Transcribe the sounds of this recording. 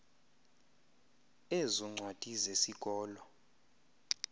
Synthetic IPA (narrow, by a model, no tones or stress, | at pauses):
ezuŋ͡ǀʱwad̥ʱʼizesikʼɔːlɔ